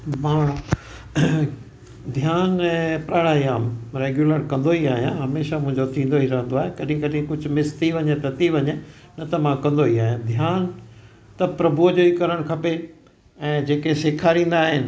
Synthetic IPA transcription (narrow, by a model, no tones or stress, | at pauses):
mãː | d̪ʱjaːnɛ̃ːpɾaɽaːiãːmɾeːɡjuləɾkɐ̃n̆d̪oɦiaːɦijãɦɐmeːʃamʊ̃ɦɪ̃ɲd͡ʑot̪ʰĩːnd̪oiɾɐɦə̃nd̪oaːɦekɐɗɪĩkɐɗĩkʊd͡ʑʱʊ̆mɪst̪iʋɐɲet̪ɐt̪iʋɐɲe | nɐt̪ɐmãkɐ̃nd̪oɦiaːɦijãd̪ʱjaːn | t̪ɐpɾɐbʱud͡ʑoːikɐɾəɽ̃kʰɐpe | ɛ̃ːd͡ʑeːkeseːkʰaːɾĩːn̆d̪aːɦɪnɪ̆